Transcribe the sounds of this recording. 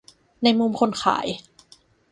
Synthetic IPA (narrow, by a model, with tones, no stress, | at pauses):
na˧jmu˧mkʰo˧nkʰa̰ː˩˦j